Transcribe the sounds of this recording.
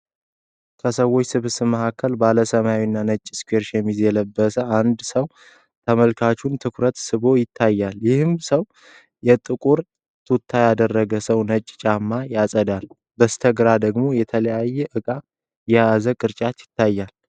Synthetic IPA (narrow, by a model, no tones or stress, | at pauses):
kʰəsəwot͡ʃːsɨβsɨməhakʰːəlbaləsəmajawinːanət͡ʃʼːiskueɾʃɛmizjɛləbːəsəand̪səw | t̪ʰəməlkʰat͡ʃunt̪ʰɨkʰɾət̪sɨβo̞jɪt̪ʰːajːaljɪhɨmsəw | jɛt̪ʼɨkʼuɾ | t̪ʰut̪ʰːajad̪ərːəɡəsəwnət͡ʃʼːt͡ʃʼamːajasʼəd̪al | bəst̪ʰəɡɾad̪əɡmo̞jɛt̪ʰələjajːɛʔɨkʼa | jɛjazəkʼɨɾt͡ʃʼat̪jɪt̪ʰːajːal